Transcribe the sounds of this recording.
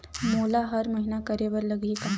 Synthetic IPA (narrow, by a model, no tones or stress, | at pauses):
molaɦəɾməɦinakəɾeʋəɾləɡʱiːka